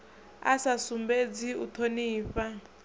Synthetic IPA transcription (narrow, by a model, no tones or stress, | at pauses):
a̰sasumbed͡ziut̪ʰoniːɸa